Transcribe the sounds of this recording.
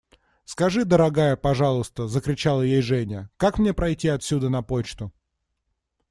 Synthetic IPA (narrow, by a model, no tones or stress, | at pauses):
skɐʐɨd̪əɾɐɡajəpɐʐɑlˠʊst̪əzəkɾʲɪt͡ɕalˠəjejʐɛnʲəkakmnʲe̞pɾɐjtʲiɐt̪sʲud̪ənɐpot͡ɕt̪ʊ